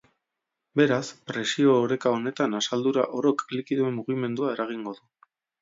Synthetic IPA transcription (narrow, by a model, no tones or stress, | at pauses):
be̞ɾaspɾe̞sio̞ːɾe̞kao̞ne̞t̪anasald̪uɾa̰ʔo̞ɾo̞klikiðue̞mːuɣ̞ime̞nd̪uae̞ɾaɣ̞iŋɡo̞ðu